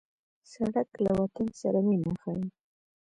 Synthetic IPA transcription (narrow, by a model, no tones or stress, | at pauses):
saɽaklawat̪ansaɾanimaxawi